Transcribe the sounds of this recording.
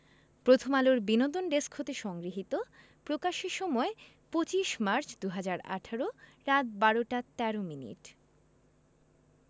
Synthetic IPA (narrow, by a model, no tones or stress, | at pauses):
pɾot̪ʰomaloɾbinod̪onɖeskʰhot̪eʃɔŋɡɾiɦit̪o | pɾokaʃeʃɔmɔe | pot͡ɕiʃmaɾt͡ɕd̪uɦad͡ʑaɾa̰ʈʰaɾoɾat̪̚baɾoʈat̪ɛɾominḭʈ